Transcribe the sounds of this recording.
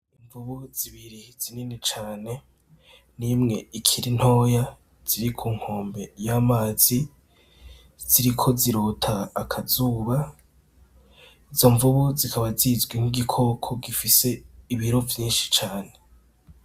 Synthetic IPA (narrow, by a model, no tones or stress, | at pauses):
iɱvuβuz̥iβiɾiz̥ininit͡ʃaːne̞ | nimŋe̞ikʰiɾin̥ho̞ːja | z̥iɾikʰuːŋ̥ho̞ːmbe̞jamaːzi | z̥iɾikʰo̞ziɾotʰaːkʰazuːβa | izo̞ɱvuβuzikʰaβazizɡwiŋ̥iɡikʰo̞kʰo̞ɡifise̞iβiɾo̞vjiːnʃi̥t͡ʃaːne̞